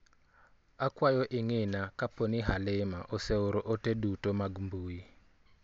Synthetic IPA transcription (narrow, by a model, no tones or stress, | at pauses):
akwajɔʔɪŋenakaponiɦalɪmaʔoseoɾoʔotedutomaɡmbui